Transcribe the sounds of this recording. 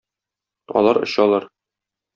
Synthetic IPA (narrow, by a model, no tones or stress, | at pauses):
ɒ̰lˠɑɾɤ̰̆ɕɒlˠɑɾ